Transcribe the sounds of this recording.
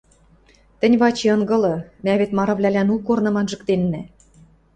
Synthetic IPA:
t̪ɘ̆nʲβɑt͡ɕeɤ̆ŋɡɤ̆lɤ̆mæβet̪mɑɾɑ̆βlʲælænukornɤ̆mɑnʒɤ̆kt̪enːæ

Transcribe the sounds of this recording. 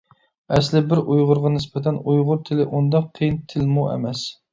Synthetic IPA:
ɛslɪbɪɾʔujʁʊɾʁɑnɪspɪt̪ʰɛnujʁʊɾt̪ʰɪlɪʔund̪ɑqʰːejint̪ʰɪlmuɛ̰mɛs

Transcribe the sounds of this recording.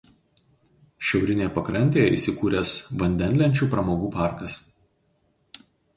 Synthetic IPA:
ʃʲɛʊɾʲɪnʲeːjpɐkɾɐnʲt̪ʲeːjɛḭːˑsʲɪkuːɾʲɛsʋɐnʲd̪ʲɛnʲlʲɛnʲt͡ʃʲuːpɾɐmoːɡuːpɑˑɾkɐs

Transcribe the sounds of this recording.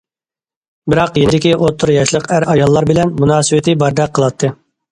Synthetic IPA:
bɪɾɑqjenɪd̪ɪkʲiʔot̪ʰːʊɾjɑʃlˠəqæɾɑjɑlˠːɑɾbɪlɛnmunɑːsɨwɪt̪ʰɪbɑɾd̪ɛk̚qʰːəlˠɑt̪ʰːɨ

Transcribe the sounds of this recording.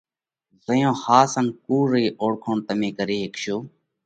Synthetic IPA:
zəjõːhaːsənkuːɾeːʔoːɽkʰoːɳt̪əmẽːkəɾeːɦekʃoː

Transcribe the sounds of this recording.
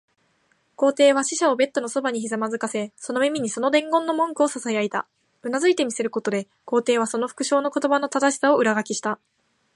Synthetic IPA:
ko̞ːt̪e̞ːβ̞aɕiɕao̞be̞t̪ːo̞no̞so̞baɲ̟içizamazɨkase̞so̞no̞mʲimʲiɲ̟iso̞no̞d̪ẽ̞ŋɡõ̞nːo̞mõ̞ŋkɯ̟o̞sasaeait̪a̰ | ɯ̟nazɨit̪e̞mʲise̞ɾɯ̟ko̞t̪o̞d̪e̞ | ko̞ːt̪e̞ːβ̞aso̞no̞ɸɯ̟̥kɯ̟ɕo̞ːno̞ko̞t̪o̞bano̞t̪ad̪aɕi̥sao̞ɯ̟ɾaɡakʲiɕi̥t̪a

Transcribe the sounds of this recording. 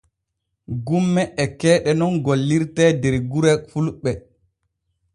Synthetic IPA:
ɡumːɛɛkɛːɗɛnɔnɡolːiɾtɛdɛɾɡuɾɛfulɓɛ

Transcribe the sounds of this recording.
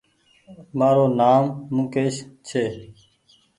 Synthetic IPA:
maːɾoːnaːmːũːkeːʃt͡ʃʰeː

